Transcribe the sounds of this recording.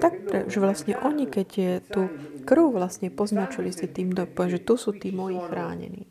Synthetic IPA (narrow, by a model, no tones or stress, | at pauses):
t̪ak̚pɾɛʒɛʋlasɲɛ̰ʔɔɲikɛɟjɛt̪uːkɾ̩uʋlasɲɛpɔznat͡ʃilisit̪iːmd̪ɔpɛʒɛt̪usuːt̪iːmɔjiːxɾaːɲɛ̰nḭː